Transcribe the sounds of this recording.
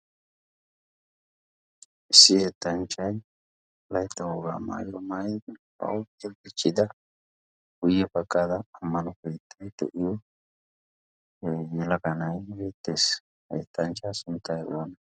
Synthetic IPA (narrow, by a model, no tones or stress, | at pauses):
ʔɪsːɪeɛt̪ːɐnt͡ʃʼːɐj | lɐjt̪ːɐwoɡa̰ːma̰ːjomajd̪ | ɐ̰wɛɡɪt͡ʃʼːɪd̪ɐ | ɡ̥ʊjːɛbɐkʼːaːd̪ɐːmːɐnɔkejt̪ʰːɐjt̪ɔ̰ʔɪjɔ | jɛlɐkɐnɐjbeːt̪ːe̞ːs | ɐjt̪ːɐnt͡ʃːasʊnt̪ːɐjɔwɐnɐ